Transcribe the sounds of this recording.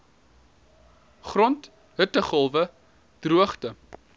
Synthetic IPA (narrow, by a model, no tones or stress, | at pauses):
χrɔnt | ɦətəχəlˠvə | d̥ruəχtə